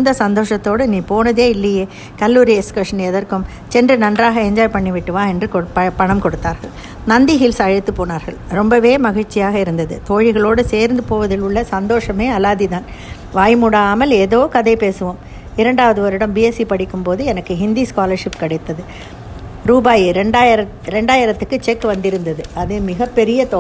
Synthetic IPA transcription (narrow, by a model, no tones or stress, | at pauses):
nd̪ɐsɐnd̪oːʂɐt̪ːoːɽɯniːpoːnɐðeːɪlːɐjeː | kɐlːuːɾiɛskɐʂɐnɛðɐɾkɯm | t͡ʃɛndrɯnɐndraːɣɐɛɲd͡ʒaːjpɐɳːiʋɪʈːɯʋaːɛndrɯkpɐpɐɳɐmkɔɽɯt̪ːaːɾɣɐɭ | nɐnd̪iɦɪlsɐɻɐt̪ːɯpoːnaːɾɣɐɭɾɔmbɐʋeːmɐɣɪɻt͡ʃːɪjaːɣɐɪɾɯnd̪ɐðɯt̪oːɻɪɣɐɭoːɽɯseːɾnd̪ɯpoːʋɐðɪlʊɭːɐsɐnd̪oːʂɐmeːɐlaːðiðaːn | ʋaːjmuːɽaːmɐleːðoːkɐðɐɪpeːsɯʋoːm | ɪɾɐɳɖaːʋɐðɯʋɐɾɪɽɐmbiɛsipɐɽɪkːɯmpoːðɯɛnɐkːɯɦɪnd̪iskaːlɐɾʂɪpkɐɽɐɪt̪ːɐðɯ | ɾuːbaːjɾɛɳɖaːjɪɾɐ | ɾɛɳɖaːjɪɾɐt̪ːɯkːɯt͡ʃɛkːʋɐnd̪ɪɾɯnd̪ɐðɯɐðɯmɪɣɐpːɛɾɪjɐt̪oː